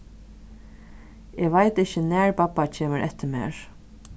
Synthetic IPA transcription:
ɛːʋajt̪ɪhçənæːɹpapːat͡ʃʰeːməɾʔɛ̰t̪ːəmḛːɹ

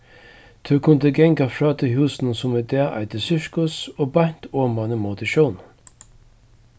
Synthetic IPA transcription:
t̪ʰʉkʰʊnd̪əɡɛŋkafɹɑːt̪ʰɪɦuːsn̩əsʊmɛd̪ɛɐʔa̰ɪd̪əsʏɹkʊsoːbɑn̥t̪oːmanəmot̪əʃoːn

